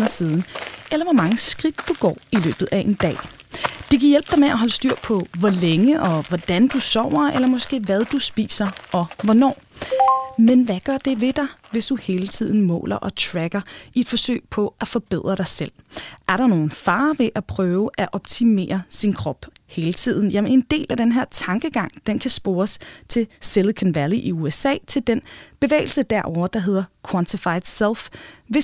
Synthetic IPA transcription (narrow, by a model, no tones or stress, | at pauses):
nɐsiːðˠn̩elɐʋɒmɑ̈ŋəsɡ̥ʁid̥d̥uɡ̥ɒ̰ːilø̰ːb̥ð̩ˠæʔe̝nd̥ɛ̰ː | d̥eɡʰiɐjel̰b̥̚d̥ɑ̈ɪmeæɦɒ̽ləsd̥yɐ̰pʰɒ̽ʋɒleŋəʔɒ̽ʋɒd̥ænd̥usɒʊ̰ɐelɐmɒ̽sɡ̥e̝̰ːʋæð̞ˠd̥usb̥ḭːsɐʔɒ̽ʋɒnɒ̰ː | menʋæɡ̥ɶɐ̰d̥e̝ʋe̝d̥ɑ̈ɪʋe̝sd̥uhe̝ːlət͡sʰið̞̰ˠn̩mɔ̰̽ːlɐʔɒ̽t͡sʰʁæɡ̥ɐie̝d̥fɒ̽sø̰ɪ̰pʰɒ̽ʔæfɒ̽b̥e̝ð̰ˠʁɐɾ̥ɑ̈ɪsel̰ʔæɐɾɑ̈no̝ːn̩fɑ̈ːʋe̝ʔæpʰʁœːʊəʔæʔɒ̽b̥̚t͡sʰime̝̰ːɐsinkʰʁɒb̥he̝ːlət͡sʰið̰ˠn̩jæmend̥e̝̰ːlæd̥enɦeɐ̰t͡sʰɑ̈ŋɡ̥əɡ̥ɑ̈ŋ̰d̥enkʰæsb̥o̝ːɐst͡sʰe̝selðkʰænʋæliʔiuesɛ̰ːt͡sʰe̝ld̥enb̥e̝ʋḛːɪl̩səd̥æɐʔɒʊ̰ɐd̥ɑ̈ɦe̝ð̞̰ˠɐkʰwɒnt͡sʰifɑ̈ɪd̥selˠfʋe̝